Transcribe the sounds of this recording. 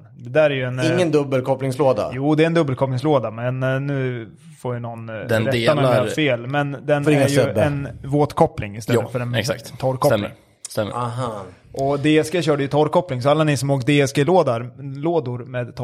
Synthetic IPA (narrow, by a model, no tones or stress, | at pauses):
d̪ɛd̪æːɾæɾjɵɛnɪŋːənd̪ɵbːəlkʰɔplɪŋsloːd̪a̰juːd̪ɛɾɛnd̪ɵbːəlkʰɔpːnɪŋsloːd̪amɛnːʉ̟ː | foɾjanɔnːd̪ɛɾɛamɛɾfeːlmɛnd̪ɛnfɛŋaɾjɛɛnvoːt̪kʰɔpːlɪŋɪst̪ɛːət̪fœɾɛnɛksa̰k̪t̪ʰɔɾkʰɔɛm̰ːŋ | st̪ɛmːə̰ɦ | ʔɔd̪eːɛsɡeːɕœːɖəjɵt̪ʰɔɾkʰɔplɪŋsɔalːanɪsɔmoːkd̪eːɛsɡeːloːd̪aɾloːd̪ʊɾmeːd̪t̪ʰːɔ